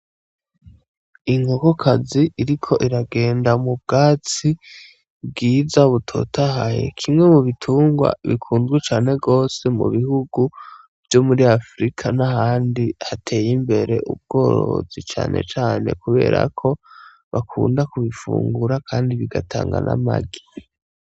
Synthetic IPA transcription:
iŋɡoko̞kʰaziʔiɾikʰo̞ʔiɾaɡe̞ːndamub̚ɡaːt͡si | b̚ɡiːzaβutʰo̞̰ːtaɦajḛkʰimŋe̞muβitʰuːŋɡwa̰βikʰuːnzɡwit͡ʃaːne̞ɡo̞ːse̞mṵβihuɡu | v̥jo̞muɾiafɾikʰanahaːndihatʰe̞ːjimbe̞ɾe̞ʔṵb̚ɡo̞ːɾo̰zit͡ʃa̰ːnʔe̞̰t͡ʃaːne̞̰kuβe̞̰ːɾa̰kʰo̞ | βakʰṵːndakuβifṵːŋɡuɾakʰaːndiβiɡatʰa̰ːŋɡa̰nʔa̰ma̰ɡi̥

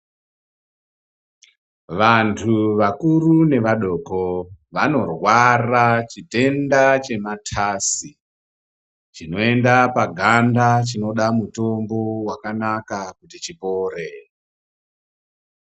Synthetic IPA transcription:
ʋantʰuʋakurune̞ʋaɗo̞koʋano̞rwarat͡ʃide̞ndat͡ʃe̞matʰasi | t͡ʃino̞e̞ndapaɡʱandat͡ʃino̞ɗamuto̞mbo̞wakanakakutit͡ʃipo̞ːre

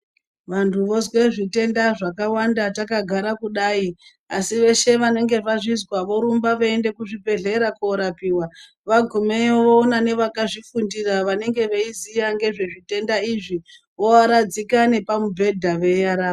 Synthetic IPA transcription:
ʋantʰuʋo̞zwe̞ʐite̞ndaʐakawandatakaɡʱaɾakuɗai | asiʋe̞ʃe̞ʋane̞ŋɡe̞ʋaʐizwaʋo̞ɾumbaʋoende̞kuʐibʱe̞ɮe̞ɾakoɾapiwa | ʋaɡʱumeoʋoːnane̞ʋakaʐifundiraʋane̞ŋɡe̞ʋeizijaŋɡe̞ʐe̞ʐite̞ndaiʐi | ʋo̞aɾad͡zikane̞pamubʱe̞dʱaʋe̞jaɾaː

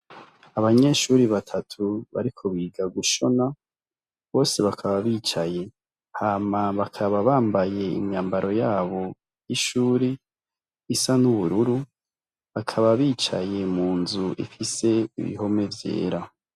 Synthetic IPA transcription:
aβaɲe̞ːʃuɾiβatʰatʰuβa̰ɾikʰo̞βiːɡaɡuʃo̞na | βo̞ːse̞βakʰaβaβiːt͡ʃaje̞ | haːmaβakʰaβaβaːmbaje̞ḭmɲaːmbaɾo̞jaːβo̞ | jiʃuːɾiː | sanuβuɾuɾu | βakʰaβaβiːt͡ʃa̰je̞muːnzuʔḭfise̞ḭβḭɦo̞me̞vje̞̰ːɾa

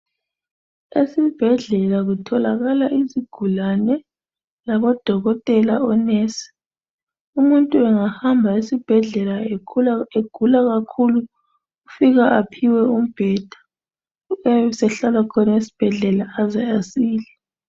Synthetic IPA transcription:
esib̥ʱɛɮɛlaɣutʰɔlaɣalaʔiziɡ̥ʱulanɛ | laβɔd̥ʱɔɣɔtʼɛlaɔneːsi̥ | umuntʼuɛŋahambʱaesib̥ʱɛɮɛla | eɡ̥ʱulaɣakʰulu | ufiɣaʔapʰiwɛum̩b̥ʱɛd̥ʱḁ | ɛusɛɬalakʰɔnaesi̥b̥ʱɛɮɛlaːzɛasiːlɛ

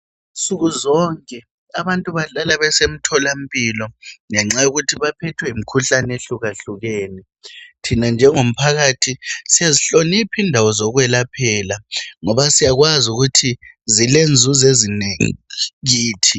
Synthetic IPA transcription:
t͡sʼuɣuzɔŋkʼɛ | aβantʼuβaɬalaβɛsem̩tʰɔlam̩pʼilɔŋɛŋ͡ǁajuɣutʰiβapʰɛtʰwɛim̩kʰuɬaneɬuɣaɬuɣeːni | tʰinand͡ʒʱɛŋom̩pʰaɣatʰisiaziɬonipʰindʱawɔzɔɣwɛlapʰɛlaŋɔβasijaɣwazuɣutʰi | zilend͡zʱuzezineŋḭɣiːtʰi

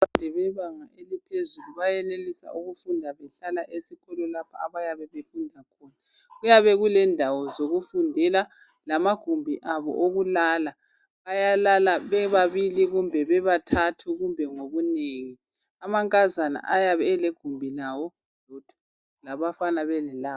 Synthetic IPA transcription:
βandʱɛβɛβaŋaelipʰezuluβajɛnelisa̰uɣufundʱaβɛɬalaʔesiɣɔlɔlapʰa̰a̰βajaβɛβefundʱakʰɔːna | ɣujaβɛɣulɛndʱawɔzoɣufundʱɛla | lamaɡ̥ʱumbʱiʔaβɔ̰ʔoɣulala | ajalalaβɛβaβiliɣumbʱɛβɛβatʰatʰuɣumbʱɛŋoβuneŋi | amaŋkʼazana̰ʔajaβɛɛleɡ̥ʱumbʱilawɔ | lotʰu̥ | laβafanaβɛlɛlaː

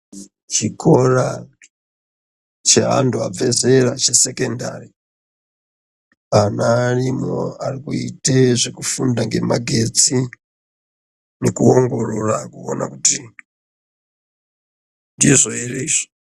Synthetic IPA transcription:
t͡ʃikʰora | t͡ʃea̰nduavezerat͡ʃesekenda̰ri | anarimo̰arikuiteʐekufundaŋɡe̞maɡʱet͡si | nekuoŋɡo̞rorakuona̰kuti | ndizoereʒ̥i̥

